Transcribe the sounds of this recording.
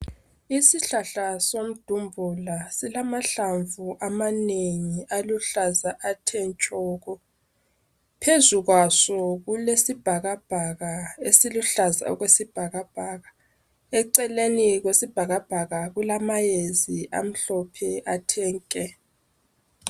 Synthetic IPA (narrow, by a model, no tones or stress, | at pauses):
isiɬaɬasom̩d̥ʱumbʱulasilamaɬaɱvuʔamaneŋiʔaluɬazaʔatʰɛnt͡ʃʼɔːɣɔ | pʰezuɣwasɔɣulesib̥ʱaɣab̥ʱaɣaesiluɬaza̰ɔ̰ɣwesib̥ʱaɣab̥ʱaːɣa | ɛǀɛleniɣwesib̥ʱaɣab̥ʱaɣaɣulamajeziʔa̰m̩ɬɔpʰɛʔatʰɛːŋkʼɛ